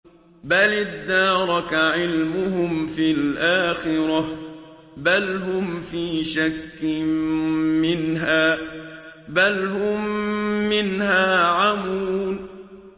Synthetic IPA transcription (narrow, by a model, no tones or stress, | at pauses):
balɪd̪ːɑːɾˤɑkaʕɪlmʊhʊmfilʔaːxɪɾˤɑ | balɦʊmfiːʃakːɪ | mɪnɦaː | balhʊmː | ɪnhaːʕamuːn